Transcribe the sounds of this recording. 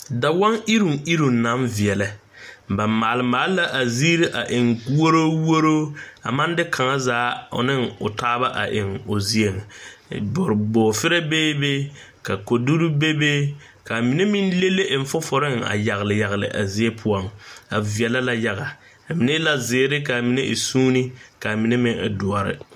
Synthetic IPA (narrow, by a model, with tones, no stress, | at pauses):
da˨wa˦ŋi˦ɾu˨ŋi˦ɾu˨ŋ˨na˨˦mvi˨ɛ˨lɛ˨ | ba˨mːaː˨lɪ˨maː˨˦lɪ˦la˦ʔa˨ziː˦ɾi˦ʔa˨ʔɪ˨ŋ˦wo˦ɾoː˦wo˦ɾoː˦a̰˨ma˦n˦dɪ˦kʰa˨ŋa˦zaː˨˦ʊ̰˨nɪ˦ŋʊ̰˨taː˦ba˦ʔa̰˨ʔɪ˨ŋʊ˨zi˦e˨ŋ˨bʊ˨ɾɪ˨ɡ͡bɔː˨fɪ˦ɾɛ˦beː˦be˦ | ka˨ko˨du˦ɾu˦be˦be˦ | ka˨mi˨ne˦mɪ˦nle˦le˦ʔɪ˨ɱ˨fʊ˦fʊ˨ɾɪ˦ŋa̰˨ja˨ɣɪ˨lɪ˨ja˨ɣɪ˨lɪ̰˨ʔa̰˨zɪ˦e˦pʰʊ˦ɔ˦ŋa˨vi˨ɛ˨la˦la˦ja˨ɣa˨ | a˨mi˨ne˦la˦zɪː˨˦ɾɪ˦ka˨mi˨ne˦ʔɪ̰˨suː˦nɪ˦ka˨mi˨ne˦mɪ˦ŋɪ̰˨dʊ˨ɔ˨ɾɪ̰˦